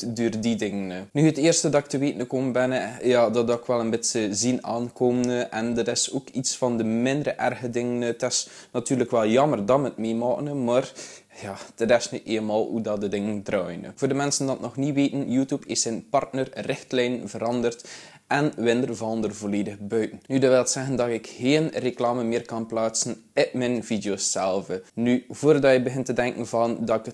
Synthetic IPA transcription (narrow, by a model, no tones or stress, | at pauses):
døːrdidɪŋənnyəteːrstədɑk̚təʋeːtənəkoməbɛnəjɑːdɑdɔkʋɛlˠənbɪtsəzinaːnkoːmənəʔɛndətɪsoːkitsfɑndəmɪndəɾəʔɛrɣədɪŋəntɪs | nɑtyːrləkʋɛlˠjɑmərdɑmətmeːmɑːkənəmɑːr | jɑːd̥ətɪsniteːlmɑːlˠhudɑdədɪŋəndrɑːjənvoːrdəmɛnsəndɑtnɔxniʋeːtənjuːtjupʰɪsːɛnpɑrtnərrɪxtlɛjnvəɾɑndərt | ɛnʋɪndərvɑlˠndərvoleːdəɣbœɥtən̩nydəʋɪlˠətsɛɣəndɑtɪkxeːənreklaːmənmɪːrkɑnplaːtsənɪpmɛnvidjoːsːɛlˠvənyvoːrdɑtjəbəɣɪntədɛŋkən̩vɑndɑkə